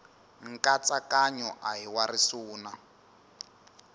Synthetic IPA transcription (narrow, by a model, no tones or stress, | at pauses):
ŋ̩kat͡sakaɲɔʔaɦiwarisuːna